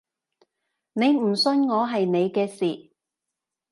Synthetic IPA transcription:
ne˨˧jm̩˨˩sɵ˧nŋɔː˨˧ɦɐ˨jne˨˧jkɛː˧siː˨

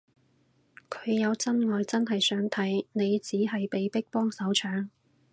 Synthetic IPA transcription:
kʰɵ̥˨˧ɥjɐ˨˧wt͡sɐ˥nŋɔː˨jt͡sɐ˥nɦɐ˨jsœː˨˥ŋt̪ʰɐ˨˥jne˨˧jt͡siː˨˥ɦɐ˨jpe˨jpɪ˥k̚pɔː˥ŋsɐ˨˥wt͡ʃʰœː˨˧˥ŋ

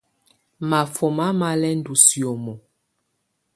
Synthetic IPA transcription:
ma˨fɔ˨ma˦ma˦lɛ˦n̩˦du˨si˨o˨mɔ˨

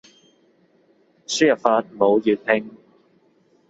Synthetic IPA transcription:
sy˥˨˩faː˧t̚mo˨˧wjyː˨t̚hɪ˥˧ŋ

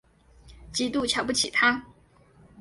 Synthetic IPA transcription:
t͡ɕi˧˥t̪u˥˨t͡ɕʰjɑ˨˧˥ʊp̬u˥˩t͡ɕʰḭ˨˩t̪ʰa˥

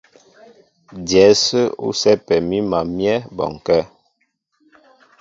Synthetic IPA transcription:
djɛ˨˦sə˦ṵ˦sɛ˦pɛ˨mi˦ma˨mjɛ˦bɔ̰˨ŋ˨kɛ˦

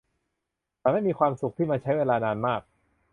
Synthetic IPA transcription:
t̪aː˨˩ma˥˩jmiː˧kʰwaː˧msu˨˩k̚t̪ʰiː˥˩maː˧t͡ɕʰa˦˥jweː˧laː˧naː˧nmaː˥˩k̚

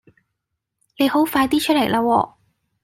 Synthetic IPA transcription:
ne˨˧jho˨˥wfaː˧jt̪iː˥t͡ʃʰɵ˥lɐ˨˩jlʔaː˧wɔː˧

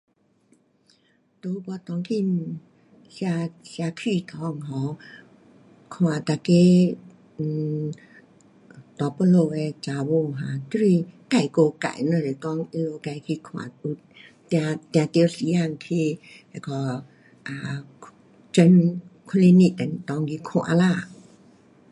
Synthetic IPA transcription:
t̪o˧˦˧bɔ˧t̪ɔ˧˦ŋkʰi˧˨ | sja˧sja˧kʰi˧˨t̪ʰɔ˨˧˦ŋɦɔ˨˦ | kʰw̃ã˨˩t̪a˧ke˦˧˨ | t̪ɔ˨˦po˧lo˧˨ɛ˧t͡ʃa˨˧wo˧˨ɦã˨˦t̪ɾi˧˨ka˧˩jko˧ka̰˨jnɔ˧˨ɾi˨kɔ˧ŋi˧lo˧ka˧jkʰi˧kʰo˧a̰˨u˧ | t̪ja˧t̪ja˧t̪e˧wsi˧ja˧˨ŋkʰi˧ | ɛ˧kʰɔ˧ | ʔa˨˧ | t͡ʃə˧nkʰo˧le˧ni˧a˨n˨t̪ɔ˧˦ŋɡi˧kʰo˧˨ʔa̰˧la˧˨

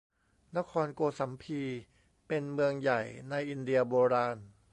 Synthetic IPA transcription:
na˦˥kʰɔː˧nkoː˧sa˩˦mpʰiː˧ | pe˧nmɯ˧əŋja˨˩jna˧jʔi˧ndi˧ɐboː˧ɾaː˧n

